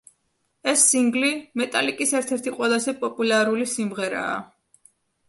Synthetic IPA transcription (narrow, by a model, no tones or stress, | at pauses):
ɛsːiŋɡlimɛt̪ʼalikʼisɛɾt̪ʰɛɾt̪ʰiqʼwɛlˠazɛpʼɔpʼulaɾulisimʁɛɾa̰ː